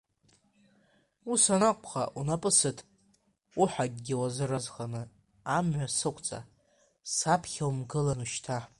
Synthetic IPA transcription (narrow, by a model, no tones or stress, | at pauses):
usanaqʷʰʼχaʔunapʼɨsɨtʰ | uħʷaɡʲɡʲɪwazɨrazχanɨ | amɥʷasɨkʷʰʼt͡sʼa̰ | sapʰχʲawumɡɨlanuʃtʰa